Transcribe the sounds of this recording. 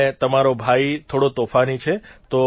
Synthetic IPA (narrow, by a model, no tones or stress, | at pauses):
et̪əmaɾobʱait̪ʰoɽot̪ofanit͡ʃʰet̪o